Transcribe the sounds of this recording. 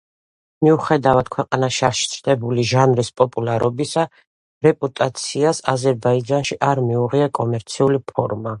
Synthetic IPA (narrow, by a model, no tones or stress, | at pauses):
miuχɛd̪avad̪̥̚kʰwɛqʼanaʃiaɾʃi̥t̪sʰɾd̪ɛbuliʒanɾispʼɔpʼulˠaɾɔbisa | ɾɛpʼut̪ʼat̪sʰiasazɛɾbaid͡ʒanʃiʔaɾmiuʁiakʼɔmɛɾt̪sʰiulipʰɔɾma